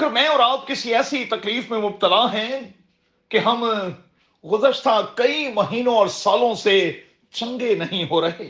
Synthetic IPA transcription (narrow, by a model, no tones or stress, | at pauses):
ɡɐɾmɛ̃ɔːɾaːp̚kɪsiɛːsit̪ɐkliːfmẽmʊb̚t̪əlaɦɛ̃ | keɦɐm | ɣʊzəʃt̪ʰakɐimɐɦiːnõɔːɾsaːlõse | t͡ʃɐ̃ŋɡenɐɦĩɦoːɾɐɦeː